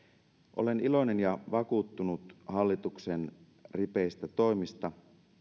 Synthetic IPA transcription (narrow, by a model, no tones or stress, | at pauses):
ʔo̰le̞nilo̞ine̞njɑʋɑkuːt̪ːunut̪ɦɑlːit̪uksen | ripeist̪æt̪o̞jmist̪ɑ